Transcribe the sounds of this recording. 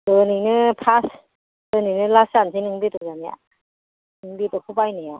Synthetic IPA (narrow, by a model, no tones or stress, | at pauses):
dɯninɯpʰas | dɯninɯlasansinɯŋbetɔzamja̰ | ɯŋbitɔkʰupajnɯja